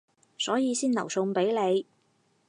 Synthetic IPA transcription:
sɔː˨˥jiː˨˧siː˥nɐ˨˩wsʊ˧ŋpe˨˥jle˨˧j

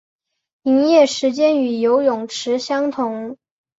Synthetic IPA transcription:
i˧˥ŋjɛ˥˩ʂɻ̩˧˥t͡ɕjɛ˥ny˨˩jo˧˥ʊjʊ˨˩ŋʈ͡ʂʰɻ̩˧˥ɕjɑ˥ŋt̪ʰʊ˧˥ŋ

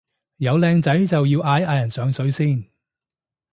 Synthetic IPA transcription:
jɐ˨˧wlɛː˧ŋt͡sɐ˨˥jt͡sɐ˨wjiː˧wʔaː˧jaː˧jɐ˨˩nsœː˨˧ŋsɵ˨˥ɥsiː˥˩n

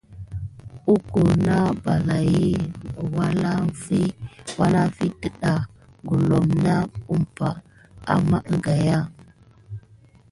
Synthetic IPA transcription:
u˦ko˨na˦ba˨la˨ji˦˨wa˦la˦fi˦wa˦na˦fi˦tə˦ɗa˨ | ɡu˨lo˨mna˦u˦mpa̰˨ | a̰˨ma˦ʔɡa˨ja˦

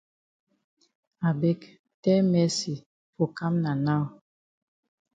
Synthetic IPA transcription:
a˨bɛ˦k | tɛ˦mɛ˦si˨ | fo˨ka˦mna˨na˦˨

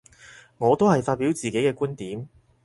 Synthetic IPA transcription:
ŋɔː˨˧t̪o˥whɐ˨jfaː˧t̚piː˨˥wt͡siː˨˩ke˨˥jkɛː˧kuː˥nt̪iː˨˥m

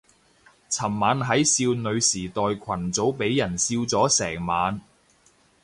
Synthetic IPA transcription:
t͡sʰɐ˨˩mːaː˨˧nɦɐ˨˥jsiː˧wnɵ˨˧ɥsiː˨˩t̪ɔː˨jkʷʰɐ˨˩nt͡so˨˥wpe˨˥jːɐ˨˩nsiː˧wt͡sɔː˨˥sɛː˨˩ŋmaː˨˧n

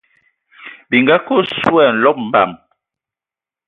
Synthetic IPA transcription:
bi˨ŋɡa˦ko˦˨swɛ˦˨n̩˨lɔ˦p̚m̩˨ba̰˨m

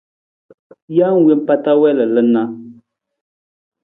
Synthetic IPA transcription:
ja˦ŋ̩˨we˦m˦pa˦ta˦wɛ˦lə˨lə˦na˦

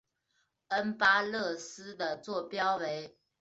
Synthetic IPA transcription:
ə˦npa˥lɤ˥˩sɹ̩˥d̪ə˨t͡swɔ˥˩pjɑ˥ʊwe˧˥˦ɪ

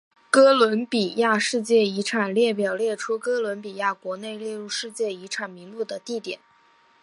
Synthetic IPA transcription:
kɤ˥lwə˧˥npi˨˩ja˥˧ʂɻ̩˥˧t͡ɕjɛ˥˩i˧˥ʈ͡ʂʰa˨˩nljɛ˥˩p̬jɑ˨˩ʊljɛ˥˩ʈ͡ʂʰu˥kɤ˥lwə˧˥npi˨˩ja˥˩kwɔ˧˥ne˥˧ɪljɛ˥˧ɻu˥˧ʂɻ̩˥˧t͡ɕjɛ˥˩i˧˥ʈ͡ʂʰa˨˩nmi˧˥ŋlu˥˩d̪ə˩t̪i˥˩t̪jɛ˨˩˦n

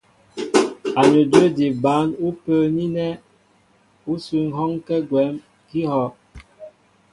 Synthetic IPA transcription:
a˨nə˨dwe˦˨di˨ba˨˦nu˦pə˦ni˦nɛ˦ | u˦su˨ŋ̩˨˦ɦɔ˦ŋkɛ˦ɡwɛ˨˦m | ki˦hɔ˦

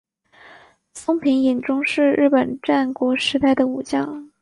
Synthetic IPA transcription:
sʊ˥ŋpʰi˧˥ŋi˨˩nʈ͡ʂʊ˥ŋʂɻ̩˥˧ɻɻ̩˥˩pə˨˩nʈ͡ʂa˥˩nkwɔ˧˥ʂɻ̩˧˥t̪a˥˩ɪd̪ə˩u˨˩t͡ɕjɑ˥˩ŋ

